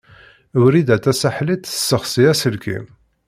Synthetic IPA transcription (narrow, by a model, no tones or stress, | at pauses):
əwɾid̪æt̪ːæsaħlit̪ə̥sːəχsiæsəlkḭm